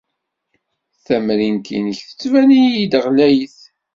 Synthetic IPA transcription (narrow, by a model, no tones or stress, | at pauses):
θæmɾint̪ḭnəçθə̥t͡sːvænijid̪ʁlæjəθ